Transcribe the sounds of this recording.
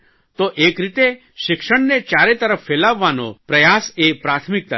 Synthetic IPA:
t̪oʔekɾit̪e | ʃɪkʃəɳnet͡ʃaɾet̪əɾəfːelaʋːano̰pɾəjasepɾat̪ʰmik̚t̪ə

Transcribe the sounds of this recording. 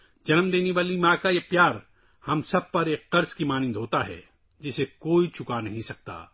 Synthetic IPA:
d͡ʒɐnəmd̪eːneʋaːlimãːkajepjaːɾ | hɐmsɐb̚pɐɾeːkːɐɾzkimaːnɪ̃nd̪ʱɦoːt̪aɦɛ̰ː | d͡ʒɪsekoːit͡ʃʰʊkanɐɦĩsɐk̚t̪a̰ː

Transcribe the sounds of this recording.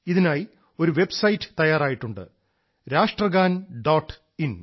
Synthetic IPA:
iðinaːji | o̞ɾuʋe̞bsɐjitːɨ̥t̪ɐjaːɾaːjiʈːuɳɖɨ̰ | ɾaːʂʈrɐɡaːnɖoːʈː | in

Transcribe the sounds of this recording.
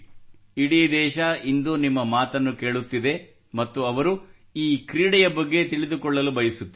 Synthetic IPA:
iɽid̪ɛːʃɐind̪unimːɐmaːt̪ɐnːuke̞ːɭut̪ːid̪e̞ | mɐt̪ːuɐʋɐɾu | iːkɾiːɽɛjɐbɐɡːe̞t̪iɭid̪ukɔɭːɐlubɐjisut̪ː

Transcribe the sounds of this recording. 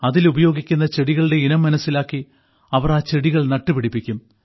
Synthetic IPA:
ɐðilubɐjo̞ːɡikʲːun̪ːɐt͡ɕeɽiɣɐɭɨɽe̞inɐmːɐnɐsːilaːkːi | ɐʋɐraːt͡ɕe̞ɽiɣɐɭnɐʈːupiɽipːikʲːum

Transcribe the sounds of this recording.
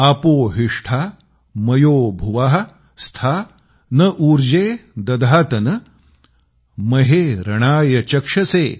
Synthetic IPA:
apoːɦiʂʈʰaː | mɐjoːbʱuʋaɦɐ | st̪ʰa | nɐʔuːɾd͡ʑeːd̪ɐd̪ʱaːt̪ɐnɐ | mɐɦeːɾɐɽ̃aːjɐt͡ɕɐkʂɐseː

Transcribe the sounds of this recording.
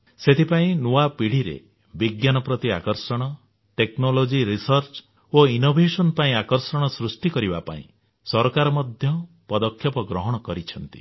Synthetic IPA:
set̪ʰipaĩnuapiɽ̤iɾḛ | biɡjanɔpɾɔt̪ia̰kɔɾsɔɽ̃ɔ | ʈeknolod͡ʒiɾisɔɾt͡ʃ | oinobʱesɔnpaĩakɔɾsɔɽ̃ɔsɾusʈikɔɾibapa̰ḭ̃ | sɔɾkaɾɔmɔd̪ʱjɔ | pɔd̪ɔkʰːjɔpɔɡɾɔɦɔɽ̃ɔkɔɾit͡ʃʰɔnt̪i̥̰

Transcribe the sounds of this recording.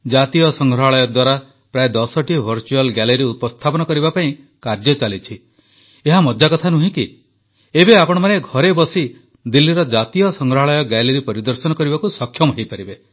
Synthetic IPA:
d͡ʒat̪ijɔsɔŋɡʱɾɔɦaɭɔjɔd̪waɾa | pɾaed̪ɔsɔʈibʱɔɾt͡ʃualɡɛleiɾiupɔst̪ʰapɔnɔkɔɾibapaĩ | kaɾd͡ʒɔt͡ʃalit͡ʃʰi | eɦamɔd͡ʒakɔt̪ʰanuɦĩki | ebeapɔɽ̃ɔmaneɡʱɔɾebɔsi | d̪ilːiɾɔd͡ʒat̪ijɔsɔŋɡɾɔɦaɭɔjɔɡɛleɾipɔɾid̪ɔɾsɔnɔkɔɾibakusɔkʰːjɔmɦejpaɾibe

